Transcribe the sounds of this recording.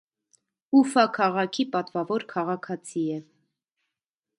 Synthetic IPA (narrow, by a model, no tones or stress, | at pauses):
ufɑkʰɑʁɑkʰipɑt̪vɑvɔɾkʰɑʁɑkʰɑt͡sʰiɛ